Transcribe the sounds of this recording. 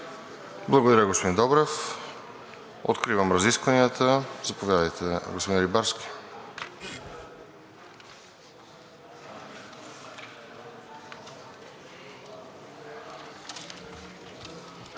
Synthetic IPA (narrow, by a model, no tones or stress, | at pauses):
blˠɐɡod̪ɐɾjəɡospod̪ĩnd̪ɔbɾɛf | o̰t̪kɾivəmɾɐziskvɐniət̪ʰəzɐpovjad̪əjt̪ʰɛɡospod̪ĩnɾibaɾskʲi̥